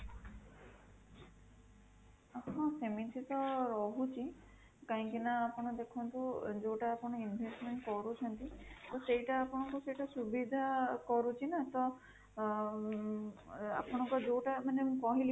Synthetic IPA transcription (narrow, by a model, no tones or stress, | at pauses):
ɔhãsemint̪ʰit̪ɔɾɔɦut͡ʃʰi | kaɦĩkinaːpɔɽad̪ekʰɔnt̪uzowʈaːpɔnainbʱesʈmeɳʈkɔɹut͡ʃʰɔnt̪it̪ɔsejʈaːpɔnɔkɔsejʈasubid̪ʱakɔɾut͡ʃʰinat̪ɔ | a̰pɔnɔkɔzowʈamanekɔɦili